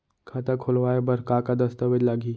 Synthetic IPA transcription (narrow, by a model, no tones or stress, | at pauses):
kʰat̪akʰʊlʋaːebɐɾkakad̪ɐst̪əʋəd͡ʒ̪laːɡi